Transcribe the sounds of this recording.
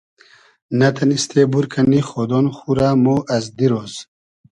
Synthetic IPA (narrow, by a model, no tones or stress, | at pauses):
nat̪ʰanist̪ʰebuɾkʰaniχɔd̪ɔnχuɾamoʔazd̪iɾɔz̥